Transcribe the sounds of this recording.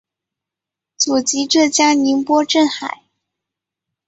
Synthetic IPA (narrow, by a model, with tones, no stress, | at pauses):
t͡su˨˩t͡ɕi˧˥ʈ͡ʂɤ˥˩t͡ɕja˥ŋni˧˥npwɔ˥ʈ͡ʂə˥˩nxa˨˩˦ɪ